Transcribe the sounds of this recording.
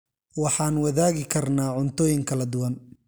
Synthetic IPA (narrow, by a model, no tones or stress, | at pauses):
wɑħɑːnwɐðaːɣɪkʰɐrnaːʕʊnt̪ʰɔːjɪŋkʰɐlɐd̪ʊwɐn